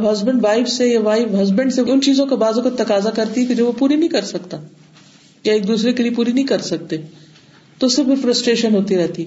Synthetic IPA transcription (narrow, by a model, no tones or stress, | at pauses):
bɦɐzbə̃ɳɖʋaːɪfsejaʋaːɪfɦɐzbə̃ɳɖseʊnt͡ʃiːzõkabaːzõkat̪ɐkaːzakɐɾt̪iɦɛk̪ed͡ʒɐbʋopuːɾinɐĩkɐɾsɐkt̪aː | jaeːk̚d̪uːsɾekeliep̬uːɾinɐɦĩkɐɾsɐk̚t̪e | t̪oseɾfʰɪɾfɾɐsʈɾeːʃənɦoːt̪iɾɛɦt̪iɛ